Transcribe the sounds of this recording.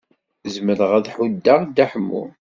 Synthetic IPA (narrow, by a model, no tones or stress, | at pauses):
zməɾəʁæðħud̪ːaʁd̪æħəmːṵ